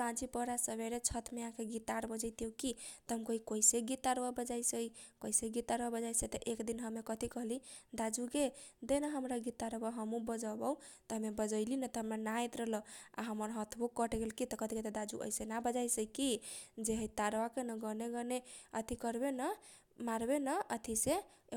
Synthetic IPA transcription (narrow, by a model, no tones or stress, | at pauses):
ãt͡ʃipəɾasəbeɾet͡ʃʰət̪ʰmeãkeɡit̪aɾbəd͡ʒəjt̪ijokit̪əɦəmkəɦikoiseɡit̪ːaɾbabəd͡ʒajsəikəiseɡit̪aɾbabəd͡ʒajsəit̪əʔekd̪inɦəmekət̪ikəɦlid̪ad͡ʒuked̪enəɦəmɾaɡit̪ːaɾbaɦəmũbəd͡ʒəbəut̪ɔɦəmebəd͡ʒəɪlinət̪ɔɦəmɾanaet̪ɾəɦləa̰ɦəməɾɦət̪ʰbokːəʈeɡelkit̪kət̪iket̪əd̪ad͡ʒṵʔə̰isenabəd͡ʒajsəikid͡ʒeɦəjt̪aɾwakenəɡəneɡəneət̪ʰikəɾbenə | maɾbenəət̪ʰise